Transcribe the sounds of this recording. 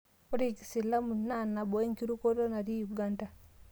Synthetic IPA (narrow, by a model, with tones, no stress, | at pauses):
u˦ɾi˨ksi˨la˦mu˨na˦˨na˨bo˨e˦ŋki˦ɾu˦ko˦to˦na˨ɾi˦ju˨ɡa˦nda˨